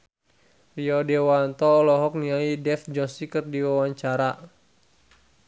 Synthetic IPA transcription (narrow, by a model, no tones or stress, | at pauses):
riɔdɛwant̪ɔːlɔɦɔk̚niaidɛfd͡ʒɔsikɨrdiwawaɲt͡ʃaɾa